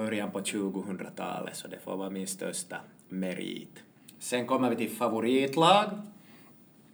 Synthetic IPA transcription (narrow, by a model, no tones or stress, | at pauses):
œɾjanpɔt͡ʃʉ̟ːɡʊɦɵnd̪ɾat̪ʰɑ̰ːlə̰t̪sɔd̪ɛfo̰ːvɑːmɪnst̪œ̰ʂt̪ɑ | mɛɾḭːt̪ | sɛŋkɔmːəɾvɪt̪ɪlfɑvʊɾiːt̪lɑːɡ